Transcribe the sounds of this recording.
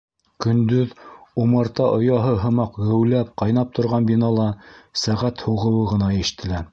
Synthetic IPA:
kɵ̆nd̪ɵðumɤɾt̪ɑʔŏjɑɦɤɦɤ̆mɑqʁɘ̆wlæp̚qɑjnɑp̚t̪ʰŏɾʁɑnbinɑlˠɑsæʁæt̪huʁɤ̆wɤʁɤ̆nɑjæʃɘ̥̆t̪ʰɘ̆læ

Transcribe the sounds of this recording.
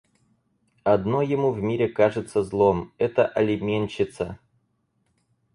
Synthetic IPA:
ɐd̪nojɪmuvmʲiɾʲɪkaʐɨt̪səzlˠomɛt̪əʔɐlʲɪmʲenʲt͡ɕːɪt̪sə

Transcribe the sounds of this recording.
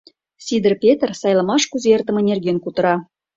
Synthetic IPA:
sʲid̪ərpʲet̪ərsɑjlˠɑmɑʃkuzeert̪ə̆mə̆nʲerɣenkut̪ə̆ɾɑ

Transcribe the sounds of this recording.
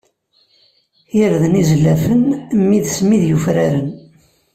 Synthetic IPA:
jəɾðənizlːæfənmːiðsmiðjufɾaɾən

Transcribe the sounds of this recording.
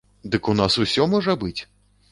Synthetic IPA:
d̪ɨkunasusʲɔmɔʐɐbɨt͡sʲ

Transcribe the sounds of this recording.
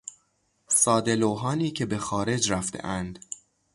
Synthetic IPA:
sɒːd̪e̞loɦɒːniːcʰe̞be̞xɒːɾe̞d͡ʒɾæft̪ʰḛʔænd̪

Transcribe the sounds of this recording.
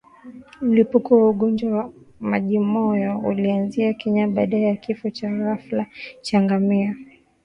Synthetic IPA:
m̩lipukɔwauɠɔnd͡ʒwawa | maʄimɔjɔulianziakɛɲaɓaːɗaɛjakifɔt͡ʃaɣaflat͡ʃaŋɡamia

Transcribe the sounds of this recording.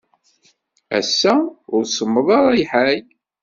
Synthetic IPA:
æ̰sːæʊɾsəmːəðˤɑɾˤɑiħæj

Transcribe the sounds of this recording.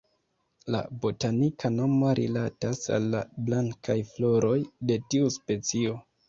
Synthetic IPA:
la̰bo̞tanikʰano̞moɾʔilatasa̰lːa̰blaŋkʰajflo̞ɾo̞jde̞tiuspe̞t͡sio̞

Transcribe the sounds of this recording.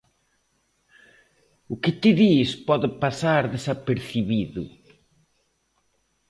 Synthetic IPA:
ʊkɪt̪ɪðispɔðɪpasaɾðesapeɾθiβiðʊ̰

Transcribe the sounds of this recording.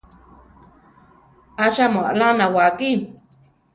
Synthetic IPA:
aʃamoa̰lanawaki

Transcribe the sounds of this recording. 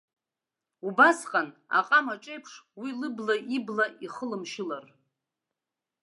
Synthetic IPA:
ubasqʼana̰qʼamaʈ͡ʂʼe̞jpʰʂwilɨblaʔiblaiχəlɨmʃɪlar

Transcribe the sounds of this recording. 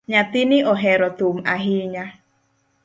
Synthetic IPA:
ɲat̪inɪʔɔɦɛɾɔt̪om̩aɦiɲa

